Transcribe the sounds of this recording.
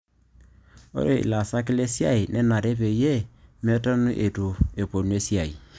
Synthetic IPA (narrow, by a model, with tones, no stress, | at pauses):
o̰˦ɾe˨ḭ˨la˨sa˦ki˦le˦si˦a̰˦i˨nɛ˦na˨ɾe˦pe˨je˦mɛ˦ta˦nu˦ʔe˨tu˨e˨po˨n˦e˦si˦a˨i˨